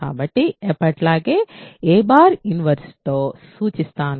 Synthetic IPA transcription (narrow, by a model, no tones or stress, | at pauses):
a̰ːbɐʈːiɛpːɐʈlaːɡeeːbaːɾjuniʋɐɾsʈoːsuːt͡ʃist̪aːn